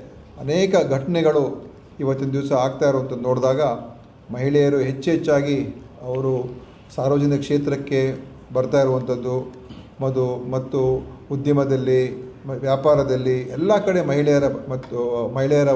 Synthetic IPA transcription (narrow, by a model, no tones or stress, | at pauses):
ɐneːkɐɡʱɐʈɐɳɛɡɐɭu | iʋɐt̪ːind̪iʋsɐaːɡt̪aːjiɾuʋɐnt̪ɐd̪unoːɽd̪aːɡɐ | mɐɦiɭɛjɐɾuɦe̞t͡ʃːɦet͡ʃːaːɡi | ɐʋɐɾu | saːɾʋɐd͡ʒɐniɐkʂeːt̪ɾɐkːe̞ | bɐɾt̪aːjiɾuʋɐnt̪ɐd̪ːu | mɐd̪umɐt̪ːuud̪jɐmɐd̪ɐlːiʋjaːpaːɾɐd̪ɐlːiɛlːɐkɐɽe̞mɐɦiɭɛjɐɾɐmɐt̪ːumɐɦiɭɛjɐɾɐ